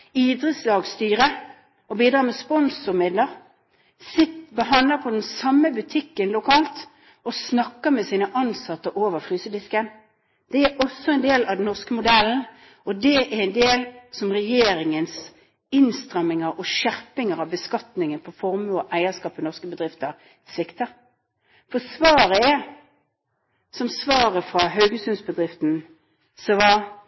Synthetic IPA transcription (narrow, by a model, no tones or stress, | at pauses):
iːd̪ɾəslɑːɡst̪yːʁə | ɔbiːd̪ɾɑːmɛspɔnsʊʁmɪd̪ləʁ | sɪt̪bəɦɑnləpʰɔd̪ɛnsɑmːəbʉt̪ʰɪkːənlʊkʰɑːlt̪ | ɔsnɑkːəʁmɛsiːnəʔɑnsɑt̪ːəʔoːʋəʁfʁyːsəd̪ɪskən | d̪̥ɛæʔɔsːɔɛnd̪eːlɑʋd̪n̩nɔʁskəmʊd̪ɛln̩ | ɔd̪ɛʔæʁɛnd̪eːlsɔmʁɛjeːɾɪŋəns | ɪnst̪ʁɛmːɪŋəɾɔʃæʁpɪŋəʁɑʋbəskɑt̪nɪŋənpʰɔfɔʁmʉɔʔæɪəskɑːpːənɔʁskəbəd̪ʁɪft̪əʁ | sʋɪkt̪əɾ | fɔsʋɑːɾəɛ | sɔmsʋɑːʁəfʁɑɦœʉɡəsʉnsbəd̪ʁɪft̪n̩ | sɔʋɑ